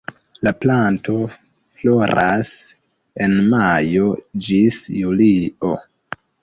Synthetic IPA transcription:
laplanto̞ | flo̞ɾʔas | e̞nmajo̞d͡ʒisjulio̞

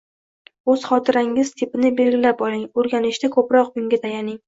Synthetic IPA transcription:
ɵz̥χɒt̪ʰɪɾaŋɪz̥t̪ʰɪpɪnɪbe̞lɡʲɪlapɒlɪŋɵɾɡʲanɪʃd̪akʰɵpɾɒq̚bʊŋɡʲat̪ʰajanɪŋ

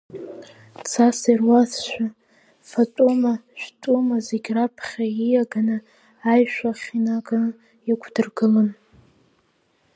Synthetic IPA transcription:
t͡sʰasirwasʃʷᶣa | fatʼumaʃᶣtʼumazeɡʲrapʰχʲaijaɡanɨː | jʃᶣʷaχʲinaɡan | ikʷʰdɨrɡɨlɨn

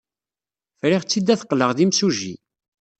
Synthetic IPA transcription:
fɾiʁt͡sːid̪ːæθqːləʁðimsuʒḭ

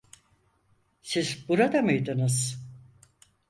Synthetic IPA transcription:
sizbuɾad̪amɯjd̪ɯnɯz̥

